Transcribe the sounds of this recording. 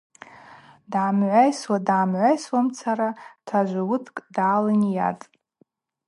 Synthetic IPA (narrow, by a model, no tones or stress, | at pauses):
daʕːmʕʷajswadaːmʕʷajswamt͡sʰaɾatʰaʒʷawʊtʰkʼdaːlanija̰tʼ